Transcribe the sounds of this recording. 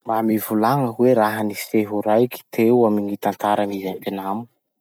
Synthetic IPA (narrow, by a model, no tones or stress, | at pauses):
mamivulaŋəweɾaɦəniseɦuɾajki̥t̪ʰewamiɲit̪ant̪aɾanizant̪enamu